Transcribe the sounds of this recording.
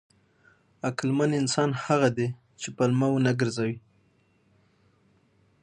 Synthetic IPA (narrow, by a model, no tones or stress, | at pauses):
aklmanɪnsɑnhaɣad̪e | t͡ʃepalmawunaɡəɾzawi